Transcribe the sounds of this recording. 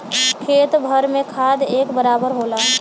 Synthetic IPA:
kʰet̪bʱəɾmekʰad̪ekbəɾabəɾɦola

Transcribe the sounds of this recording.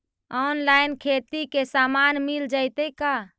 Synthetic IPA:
ɔnlainkʰet̪ikesamanmild͡ʒaɪt̪əjka

